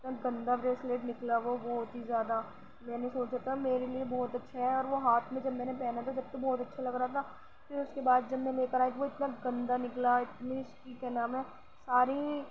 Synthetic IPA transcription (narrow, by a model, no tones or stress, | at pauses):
ɪt̪naɡɐ̃nd̪abɾeːsleːʈnɪklaʋobɔːt̪ɦizjaːd̪a | mɛ̃ːnesoːt͡ʃat̪ʰameːɾeliebɔːt̪ɐtːʃʰaɦɛɔːɾʋoɦaːt̪ʰmẽd͡ʒɐbmɛ̃ːnepɛːnat̪ʰad͡ʒɐb̚t̪ɐk̚bɔːt̪ɐtːʃʰalɐɡɾaːt̪ʰa | fɪɾʊskebaːd̪̚d͡ʒɐbmẽleːkəɾaːɦek̪iʋoɪt̪naɡɐ̃nd̪anɪklaɪt̪niskikɛːnãːmɛ̃ː | saːɾi